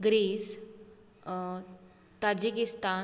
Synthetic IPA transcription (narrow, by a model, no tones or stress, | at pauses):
ɡɾis | t̪ad͡ʑikist̪a